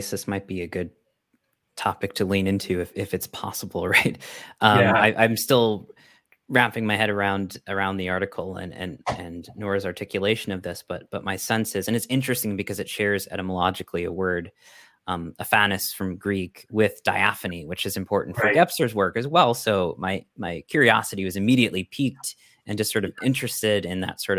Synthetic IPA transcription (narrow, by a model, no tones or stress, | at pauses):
sðɪsmaɪt̚b̥iɨɡʊd̚ | tʰɑpɨk̚tʰɨlĩnɪ̃ntʰʉɨfɪfɨtspʰɑ̰səbl̩ˠɹaɪt̚ʔʌ̃aɪʔãɪ̃mstɪlˠ | ɹæpɪ̃ŋmaɪɦɛɾə˞ãʊ̃ndə˞ãʊ̃nðiɑɹɾɨkʰl̩ˠə̰̃nɨ̰̃nɨ̃nːɔɹzɑɹtʰɪkʰjɨleɪʃɨ̃nʌvðɪsb̥ʌt̚b̥ʌt̚maɪsɛ̃nsɨzɨ̃nɨtsɪ̃nt͡ʃɹ̥ɨstɪ̃ŋbɨkʰʌzɨtʃɛɹzɛ̰ɾəməlɑd͡ʒɨkʰliɨ̰wɜ˞ɾ | ʌməfænɨsfɹʌ̃mɡɹikwɪðd̥aɪæfɨniwɨt͡ʃɨzɨ̃mpʰɔɹʔn̩tfə˞ɡɛpsə˞zwɜ˞kɨzwɛlˠsoʊmaɪmaɪkʰj̥ʊɹiɑsɨɾiwʌzɨmiɾiɨʔˡlipʰik̚t | ɨ̃nd͡ʒʌstsɔɹɾʌvɪ̃nt͡ʃɹ̥ɨstɪɾɪ̃nðɨ̰tsɔɹɾ